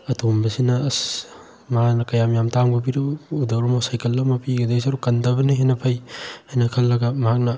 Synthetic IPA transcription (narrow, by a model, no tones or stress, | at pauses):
ɐtʰombɐsinɐs | maanɐkɐjamjamtaŋbɐp̬iɾɐudɐwɾɐmosajkɐlːɐmɐpiɡɐd̪es̬iɐɾukɐndɐbɐniɦenɐpʰɐjhajnɐkʰɐlːɐɡɐmɐɦak̚nɐ